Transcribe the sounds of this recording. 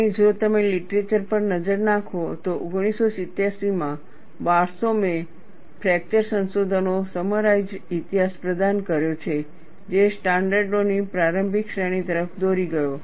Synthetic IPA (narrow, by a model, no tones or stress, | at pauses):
ed͡ʒot̪əmeliʈɾet͡ʃəɾpəɾnəd͡ʒəɾnãkʰot̪oʔoɡɽ̃isosɪt̪jasimã | baɾsome | pʰɾɛk̚t͡ʃəɾsənsod̪ʱənosəməɾajd͡ʒit̪iɦaspɾəd̪ankəɾjot͡ʃʰe | d͡ʒesʈãɳɖəɾɖonipɾaɾəmbʱikʃəɽ̃it̪əɾəfd̪oɾiɡəjo